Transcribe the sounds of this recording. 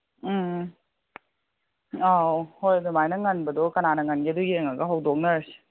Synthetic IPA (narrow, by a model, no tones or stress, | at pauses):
awhojdumajnɐŋɐnbɐdokɐnanɐŋɐnɡidojeŋɐɡɐɦawdok̚nɐɾsi̥